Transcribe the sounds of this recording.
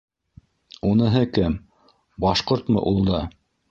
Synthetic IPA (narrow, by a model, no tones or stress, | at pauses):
unɤ̆ɦɤkɘm | bɑʃqoɾt̪mɤ̰ʔulˠd̪ɑ